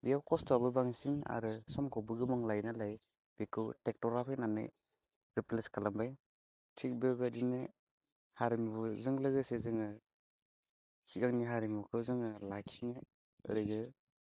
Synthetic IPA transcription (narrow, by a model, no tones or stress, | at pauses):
bijawkɔstalbɯbaŋsina̰ɾɯsɔmkʰɔbɯɡɯmɔŋlajnalaj | bikʰɯwtek̚tɔɡɾapʰinanɯ̰ | ɾipleskʰalambaj | tʰik̚bebadinɯ | haɾimbuzɯŋlɯɡɯsezɯŋɯ | siɡaŋniɦaɾimukʰɯwzɯŋɯlakʰinɯ | ɯ̰ɾɯɡɯ